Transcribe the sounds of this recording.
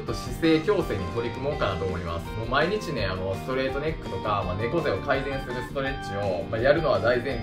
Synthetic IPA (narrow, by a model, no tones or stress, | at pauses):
t̪ːo̞ɕise̞ːkʲo̞ːse̞ːɲ̟it̪o̞ɾʲikɯ̟mo̞ːkanat̪o̞ːmo̞ima̰sɨ̥momaiɲ̟it͡ɕine̞ano̞sɨ̥t̪o̞ɾe̞ːt̪o̞nʲe̞kːɯ̟t̪o̞kamane̞ko̞zeo̞kaid̪ẽ̞ɰ̃sɨɾɯ̟sɨ̥t̪o̞ɾe̞t͡ɕio̞majaɾɯ̟no̞βad̪aizẽ̞